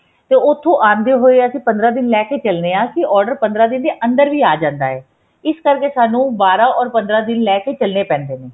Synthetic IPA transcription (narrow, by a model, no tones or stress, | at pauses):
t̪eːʊt̪ʰːõːʔãːnd̪eːɦoːeːəsĩːpə̃nd̪ɾaːd̪ɪnlɛːkeːt͡ʃəlneːãːkɪɔːɾɖəɾpə̃nd̪ɾaːd̪ɪnd̪eːʔənd̪əɾʋiːaːd͡ʒãːnd̪a̰ːɦɛː | ɪskəɾkeːsaːnũːbaːɾaːɔːɾpənd̪ɾaːd̪ɪnlɛːkeːt͡ʃəlneːpɛ̃ːnd̪eːneː